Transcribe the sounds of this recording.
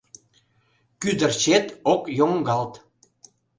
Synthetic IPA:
kyd̪ə̆rt͡ɕet̪okjoŋɡɑlt̪

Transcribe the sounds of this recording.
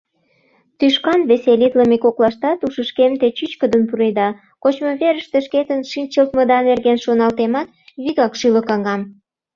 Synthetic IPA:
t̪yʃkɑnβeselit̪ləmekoklɑʃt̪ɑt̪uʃəʃkemt̪et͡ɕyt͡ɕkəd̪ənpuɾed̪ɑ | kot͡ɕmoβeɾəʃt̪eʃket̪ənʃint͡ɕəlt̪məd̪ɑnerɣenʃonɑlt̪emɑt̪̚ | βiɣɑkʃyləkɑŋɡɑm

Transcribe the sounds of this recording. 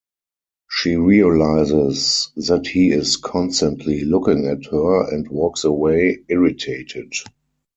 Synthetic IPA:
ʃiːɹiəlaɪzɪsðæthiːɪskʰɔ̃nstə̃ntʰlilʊkɪ̃ŋɛthɜ˞ɛ̰̃ntwɜːksəweɪɪɹɪtʰeɪtʰɪd

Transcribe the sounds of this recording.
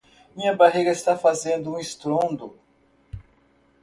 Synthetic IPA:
mĩɲɐbaɦeɡɐist̪afazẽnd̪ʊũist̪ɾõnd̪ʊ

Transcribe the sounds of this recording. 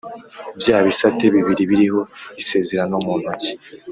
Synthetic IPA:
bjaːβisate̞βiβiɾiβiɾiho̞βise̞ːze̞ɾano̞muːnoci̥

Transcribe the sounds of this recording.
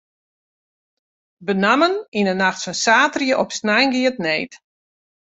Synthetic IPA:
bənaməninənaxtsənsaːtrjəʔɔpsnajnɡiətnejt

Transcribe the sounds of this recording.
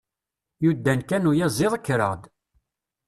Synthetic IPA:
jud̪ːænkænujæzˤɪðˤəkːɾə̰ʁd̪

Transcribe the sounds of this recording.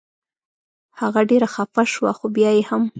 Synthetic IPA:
haɣaɖeɾaxafaʃwaxobjɑjeham

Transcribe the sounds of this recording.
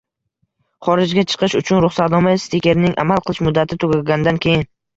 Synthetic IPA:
χɒɾɪd͡ʒɡʲat͡ʃʰɨ̥qʰɨʃʊt͡ʃʰʊnɾʊχsat̪ɒmajst̪ekʲe̞ɾnɪŋʔa̰malˠqʰɨlˠɪʃmʊd̪ːat̪ʰɪt̪ʰʊɡʲaɡʲanɪd̪ankʲʰejɪn

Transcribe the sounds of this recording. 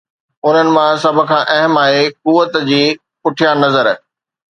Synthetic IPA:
ʊn̤ənɪ̆mãsɐbʱʊ̆kʰãːʔɐɦəmaːɦekuːʋət̪d͡ʑiː | pʊʈʰijanɐzəɾ

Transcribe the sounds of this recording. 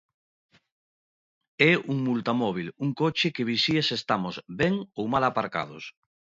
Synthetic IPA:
ɛuŋmult̪amɔβ̞iluŋkot͡ʃekeβ̞isiesest̪amozβɛŋowmalapaɾka̰ð̞o̰s

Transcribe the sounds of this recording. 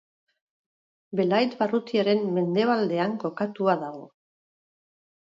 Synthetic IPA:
be̞lajt̪barut̪iaɾe̞mːe̞nd̪e̞β̞ald̪e̞aŋko̞kat̪uaðaɣ̞o̞̰

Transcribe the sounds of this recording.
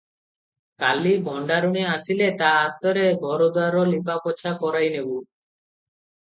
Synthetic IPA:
kalibʱɔɳɖaɾuɽ̃iasilet̪aat̪ɔɾeɡʱɔɾod̪aɾɔlipapɔt͡ʃʰakɔɾajnebu

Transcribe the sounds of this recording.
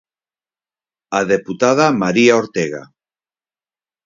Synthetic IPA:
aðeput̪að̞amaɾiaoɾt̪eɣa̰

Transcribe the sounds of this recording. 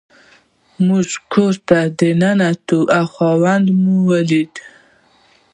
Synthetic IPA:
muʒkʰoɾt̪ad̪ənanat̪uʔawxɑwand̪muwəlid̪

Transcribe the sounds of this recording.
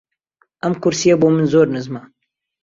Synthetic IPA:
ʔamkʊɾsijabomɨnzoːɾnɨzma

